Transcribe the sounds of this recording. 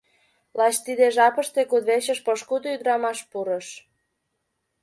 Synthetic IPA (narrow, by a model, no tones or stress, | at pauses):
lɑt͡ɕt̪id̪eʒɑpəʃt̪ekud̪βeɕə̆ʃpoʃkud̪oyd̪ɾɑmɑʃpuɾə̆ʃ